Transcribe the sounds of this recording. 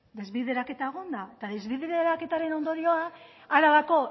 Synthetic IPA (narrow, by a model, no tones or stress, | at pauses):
d̪e̞zβiðe̞ɾake̞t̪aeɣ̞ond̪aet̪aðezβiðeðeɾake̞t̪aɾe̞no̞nd̪o̞ɾio̞a | aɾaβako̞